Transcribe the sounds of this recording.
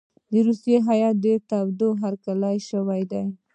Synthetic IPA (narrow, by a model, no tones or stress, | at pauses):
d̪əɾusjeɦajɑt̪̚d̪ət̪awd̪oɦaɾkalajʃəwajd̪aj